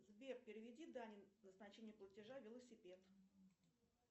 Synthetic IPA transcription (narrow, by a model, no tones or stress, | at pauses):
zbʲerpʲɪɾʲɪvʲɪdʲid̪anʲɪnəznɐt͡ɕenʲɪjəplˠətʲɪʐavʲɪlˠəsʲɪpʲe̞t̪